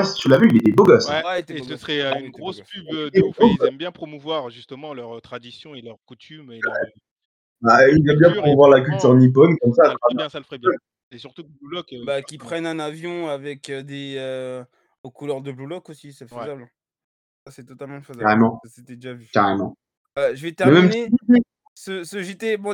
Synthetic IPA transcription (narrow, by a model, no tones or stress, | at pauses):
wɛst̪ylavyiljad̪eboɡɔswɛt̪səsχɛynɡʁospybdeoɛmbjɛ̃pχɔmuvwaʁʒyst̪əmɑ̃lœʁt̪χad̪isjɔ̃elœʁkut̪ʰymeaɛ | bailvœlbjɛ̃pχɔmuvwaʁlak̬ʲylt̪yʁnip̬ɔnkɔmsaaj̃ɛ̃salfʁɛbjø | esyʁt̪ublulɔkbakʲipχɛnɛ̃navjɔ̃avɛkød̪eø | okulœʁd̪əblulɔkosisɛføzabl̃ | asɛt̪ɔt̪almɑ̃føzakaʁemɑ̃set̪ɛd̪eʒavykaʁemɑ̰̃ | ʒəvɛt̪ɛʁɛmɛmneii | səsəʒit̪eb̃